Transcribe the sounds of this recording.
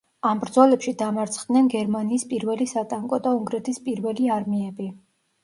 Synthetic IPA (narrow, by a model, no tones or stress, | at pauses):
ambɾd̪zɔlɛpʃid̪amaɾt̪sʰχd̪nɛnɡɛɾmaniːspʼiɾvɛlisat̪ʼaŋkʼɔd̪auŋɡɾɛt̪ʰispʼiɾvɛliaɾmiɛbi